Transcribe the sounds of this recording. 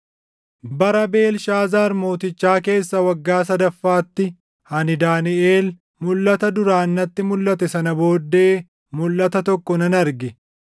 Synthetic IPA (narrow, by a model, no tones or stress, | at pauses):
bɐɾɐbe̞ːlʃaːzaːɾmo̞ːt̪ɪt͡ʃːaːke̞ːsːɐwɐɡːaːs̬ɐd̪ɐfːaːt̪ːɪ | hɐnɪd̪aːnɪeːl | mʊlːɐt̪ɐd̪ʊɾaːnːɐt̪ːɪmʊlːɐt̪ɛsɐnɐbo̞ːd̪ːe̞ː | mʊlːɐt̪ɐt̪ɔkːɔnɐnɐɾɡɛ